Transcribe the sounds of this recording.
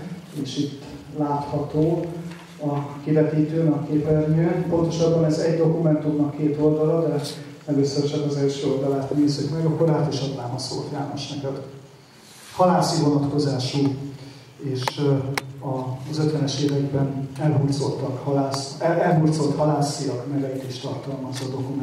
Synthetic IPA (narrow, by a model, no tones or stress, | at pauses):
eːʃit̪ː | laːt̪hɒt̪oː | ɒkivɛt̪iːt̪øːnɛkːeːpɛrnyːpo̞nt̪o̞ʃɒbːɒnɛzɛɟd̪o̞kumɛnt̪umnɒkːeːt̪o̞ld̪ɒlɒd̪ɛ | ɛløːsørt͡ʃɒkɒzɛlʃøːo̞ld̪ɒlaːt̪neːzykmɛɡɒkːoraːt̪oʃɒt̪ːaːmɒso̰ːlt̪jaːnoʃnɛkɛd̪̥ | hɒlaːsivo̞nɒt̪ko̞zaːʃu | eːʃ | ɒzøt̪ʋɛnɛʃeːvɛɡbɛnɛlɦurd̪zo̞t̪ːɒkhɒlaːsɛɛlɦurd̪zo̞lt̪hɒlaːsiɒkmɛɡɛjit̪eːʃt̪ɒ̰rt̪ɒlmɒzɒd̪o̞kumɛ